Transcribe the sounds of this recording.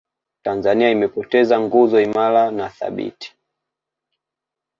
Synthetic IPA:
tanzaniaimɛpɔtɛzaŋɡuzɔimalanaθa̰ɓḭti̥

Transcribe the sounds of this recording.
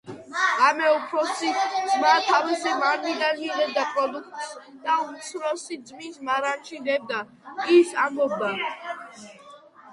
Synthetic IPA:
amɛupʰɾɔsizmat̪ʰavizɛmaɾɡid̪anidɛb̚d̪apʼɾɔd̪uk̚ʰt̪sd̪̥aut̪sʰɾɔsidd̪zʼmismaɾat͡ʃʰid̪ɛb̚d̪a | isambɔbd̪a

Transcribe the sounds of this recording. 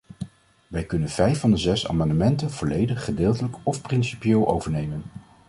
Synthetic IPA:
ʋɛjkɵnənv̥ɛjfɑndəzɛsa̰ːmɑndəmɛntənv̥ɔlejdəχːədɪːlˠtələkɔfprɪnsipijɪːlˠʔo̰wvəɹnejmən

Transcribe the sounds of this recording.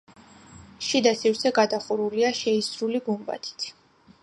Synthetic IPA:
ʃid̪asivsʰɛɡad̪aχuɾuliaʃɛisɾuliɡumba̰t̪ʰi̥t̪ʰ

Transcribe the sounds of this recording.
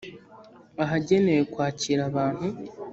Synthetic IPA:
aɦaɟe̞ne̞jekwaːciɾaβaːn̥hu

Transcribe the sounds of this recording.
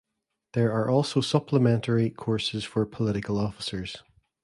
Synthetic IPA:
ðə˞ə˞ʔɔlˠsosʌpʰlˠəmɛ̃nʔəɹikʰɔɹsɪz̥fə˞pʰəlˠɪʔɪkʰəlˠɔfɪ̥sə˞z̥

